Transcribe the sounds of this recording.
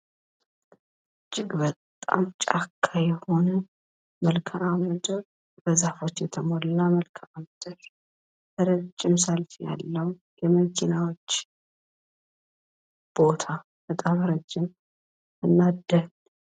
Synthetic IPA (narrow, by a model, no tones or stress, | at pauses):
ɨt͡ʃʼːɪɡbət̪ʼːa̰mt͡ʃʼakʰːajɛho̞nə | məlkʰəʔamɨd̪ɨɾ | bəzahfo̞t͡ʃːjɛt̪ʰəmolɨnːaməlkʰəʔamɨd̪ɨɾ | hɨɾəd͡ʒːɪmsəlfija̰lːəw | jɛməd͡ʒʼɪnawot͡ʃː | b̥o̞t̪ʰa | bət̪ʼamɾəd͡ʒːɪm | ɨnːad̪ːə